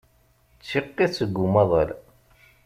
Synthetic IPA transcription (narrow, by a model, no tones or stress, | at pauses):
t͡sːiqːisəɡːumɑðˤə̰l